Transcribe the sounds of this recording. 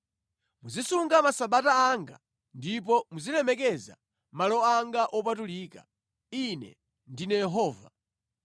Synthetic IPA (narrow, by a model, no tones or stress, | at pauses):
muzisuŋɡamasaɓataːŋɡa̰ | ndip̬ɔmuzilɛmɛkɛza̰ | malɔaŋɡaʔɔpatuliːka̰ | inɛ̰ | ndinɛjɛɦɔːva